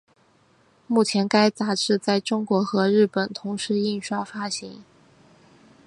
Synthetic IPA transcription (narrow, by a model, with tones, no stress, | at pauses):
mu˥˩t͡ɕʰjɛ˧˥nka˥ɪt͡sa˧˥ʈ͡ʂɻ̩˥˧t͡sa˥˩ɪʈ͡ʂʊ˥ŋkwɔ˧˥xɤ˧˥ɻɻ̩˥˩pə˨˩nt̪ʰʊ˧˥ŋʂɻ̩˧˥i˥˩nʂwa˥fa˥ɕi˧˥ŋ